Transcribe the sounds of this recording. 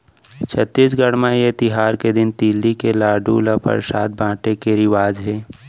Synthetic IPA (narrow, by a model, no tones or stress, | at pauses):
t͡ʃʰət̪ːɪs̬ɡəɽmãjet̪ɪɦaːɾked̪ɪnt̪iːlːikelaːɖṵləpə̰ɾsa̰ːt̪̚bʱãːʈekeɾɪʋaːd͡ʒɦɛː